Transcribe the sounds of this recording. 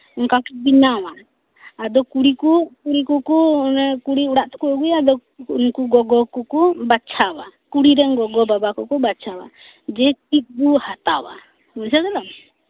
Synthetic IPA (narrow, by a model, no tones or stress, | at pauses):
uŋkakibiɲawaː | d̪ɔkuɽikukuɽikukukuɽiuɽaʔt̪ɔ̥kuɔɡujad̪ɔunkuɡɔɡɔkɔkɔbat͡ʃʰawakuɽiɾɛŋɡɔɡɔbabakɔkɔbat͡ʃʰawa̰ | d͡ʒɛkit̪̚buhat̪a̰wa̰ | musad̪ɛlam